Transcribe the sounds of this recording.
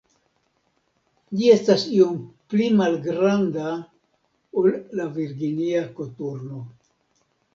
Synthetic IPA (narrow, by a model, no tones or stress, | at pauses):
d͡ʒie̞stasio̞mplimalɡɾanda | olːaviɾɡiniakotuɾno̞